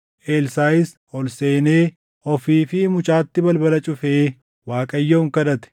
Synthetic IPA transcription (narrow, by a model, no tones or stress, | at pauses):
ʔeːlsaːjɪs | ɔlse̞ːne̞ː | ʔɔfiːfɪmʊt͡ʃʼaːt̪ːɪbɐlbɐlɐt͡ʃʼʊfeː | waːkʼɐjːoʊŋkɐd̪ɐt̪ɛ̥